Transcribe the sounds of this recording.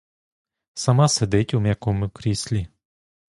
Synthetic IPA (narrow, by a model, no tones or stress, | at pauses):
sɐmɑsed̪ɪtʲumʲjɐkɔmʊkɾʲisʲlʲi